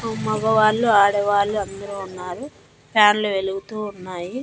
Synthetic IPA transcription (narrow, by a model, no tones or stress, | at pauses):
umɐɡɐʋaːɭːuaːɽɐʋaːɭːuɐnd̪ɐɾuːnːaːɾu | pʰaːnluʋe̞luɡut̪uːnːaːji